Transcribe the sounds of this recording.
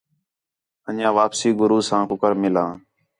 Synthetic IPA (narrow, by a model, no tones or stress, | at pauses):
əʄãːʋaːpsiːɡʊɾuːsãːkʊkəɾmɪlãː